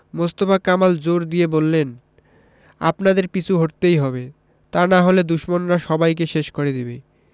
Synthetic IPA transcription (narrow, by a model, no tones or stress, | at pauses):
most̪ofakamald͡ʑoɾd̪ijebolːen | a̰pnad̪eɾpit͡ɕʰuɦoʈ̚t̪ejɦɔbe | t̪anaɦoled̪uʃmonɾaʃɔbajk̬eʃeʃkoɾed̪ibe